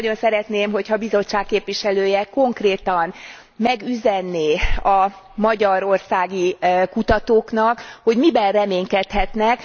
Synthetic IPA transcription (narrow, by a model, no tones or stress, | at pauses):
ɟo̞nsɛɾɛt̪neːmɦo̞cʰhɒːbizo̞t͡ʃːaːkːeːpʋiʃɛløːjɛko̞ŋkreːt̪ɒn | mɛɡyzɛnːeːɒ | mɒɟɒɾo̞rsaːɡikut̪ɒt̪oːknɒkho̞ɟmibɛnrɛmeːɲkɛt̪hɛt̪nɛk